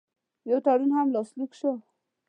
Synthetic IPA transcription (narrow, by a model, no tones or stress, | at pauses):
jawt̪aɽunhamlɑslikʃo